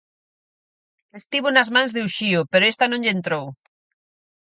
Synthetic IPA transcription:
est̪iβonazmãŋzðeuʃiopeɾoest̪anõŋʎent̪ɾow

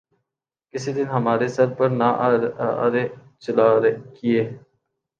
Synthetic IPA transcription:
kɪsid̪ɪnɦɐmaːɾesɐɾpɐɾna̰ː | ɾe | t͡ʃəlaːɾekieː

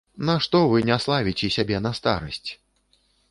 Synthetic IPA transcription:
nɐʂt̪ɔvɨnʲaslˠavʲit͡sʲɛsʲabʲɛnɐst̪a̰ɾɐsʲt͡sʲ

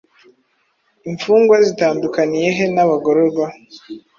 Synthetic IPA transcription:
iɱfuːŋɡwazitaːndukanije̞ɦe̞naβaɡo̞ɾoɾɡwa

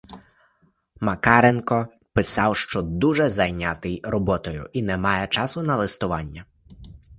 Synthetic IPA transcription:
mɐkɑɾenkɔ | pɪsɑwʃt͡ʃɔd̪uʒɛzɐjnʲɑt̪ɪjrɔbɔt̪ɔjʊ̰ʔinɛmɑjɛt͡ʃɑsʊnɐlˠɪst̪ʊʋɑnʲːɐ

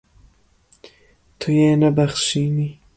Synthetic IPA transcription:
t̪ʰujeːnabaxʃini

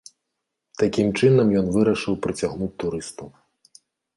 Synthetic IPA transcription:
t̪akʲimt͡ʂɨnɐmjɔnvɨɾɐʂɨwpɾɨt͡sʲaɣnut͡sʲt̪uɾɨst̪ɐw

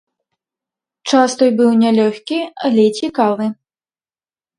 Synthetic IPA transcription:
t͡ʂast̪ɔjbɨwnʲɛlʲɔxʲkʲiɐlʲɛt͡sʲikalˠɨ

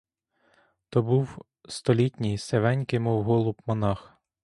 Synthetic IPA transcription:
t̪ɔbuw | st̪ɔlʲitʲnʲijseʋɛnʲkɪmɔwɦɔlˠubmɔnɑx

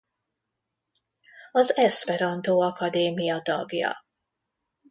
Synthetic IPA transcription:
ɒzɛspɛɾɒnt̪oːɒkɒd̪eːmijɒt̪ɒ̰ɡjɒ̰

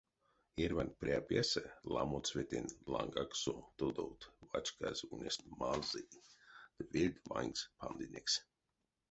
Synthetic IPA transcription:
eɾʲvanʲpɾʲeapʲɛsɛla̰mot̪svet̪ʲenʲlˠaŋɡaksot̪od̪owt̪vat͡ʃkazʲunʲesʲt̪ʲmazid̪̥əvilʲd̪ʲva̰ŋʲkspʰand̪inʲeks

